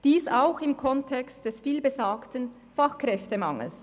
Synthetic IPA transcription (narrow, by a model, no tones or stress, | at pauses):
d̥iːsaʊxɪmkʰɔntʰɛkstd̥ɛsfiːlbezaːktən | faxkrɛftəmɑŋl̩s